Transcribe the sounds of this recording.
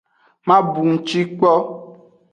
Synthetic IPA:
mã˦bu˨ŋ̩˨t͡ʃi˦k͡pɔ˦

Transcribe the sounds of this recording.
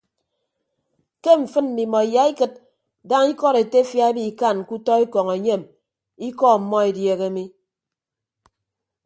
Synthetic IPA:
ke˦ɱ̩˨fɨ˦nm̩˨di˨mɔ˨i˨ja˨˦i˦kɨ˦t̚ | da˦ŋi˦kɔ˦ɾe˨te˦fja˦bi˦i˨ka˦˨n˨ku˦tɔ˦i˦kɔ˨ŋe˨ɲe˦˨m | i˦kɔ˦˨m̩˨mɔ˦e˨dje˨ɣe˦mi˦

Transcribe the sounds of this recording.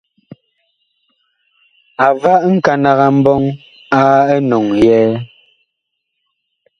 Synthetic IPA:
a˨va˦ʔŋ̩˦ka˨na˨ɣa˨m̩˦bɔ˦ŋ | aː˦ə˦nɔ˨ŋjɛː˦

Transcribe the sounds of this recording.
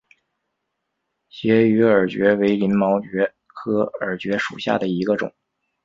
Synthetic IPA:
t͡ɕjɛ˧˥y˧˥ə˞˨˩t͡ɕɥɛ˧˥we˧˥ɪli˧˥nmɑ˧˥ʊt͡ɕɥɛ˧˥ | kʰɤ˧˥ə˞˨˩t͡ɕɥɛ˧˥ʂṵ˨˩ɕja̰˥˩d̪ə˩i˧˥ɡə˧ʈ͡ʂʊ̰˨˩˦ŋ

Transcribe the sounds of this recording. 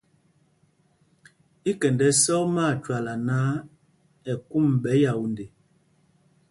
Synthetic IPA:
i˦kɛ˨ndɛ˦sɔ˦ma˦˨t͡ʃwa˨la˨na˦ | ɛ˨ku˦˨m˨ɓɛ˨˦ja˨wu˨nde˨

